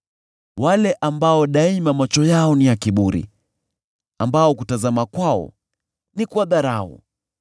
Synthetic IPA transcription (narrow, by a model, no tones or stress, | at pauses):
walɛʔambaɔɗaimamwat͡ʃɔjaɔnijakiɓuɾḭ | ambaɔkutazamakwaɔ̰ | nikwaðaɾaɔ̰